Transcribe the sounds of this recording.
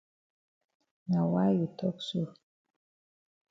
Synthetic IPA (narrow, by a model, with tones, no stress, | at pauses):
na˨wa˦ji˨tʰɔ˦ksu˦˨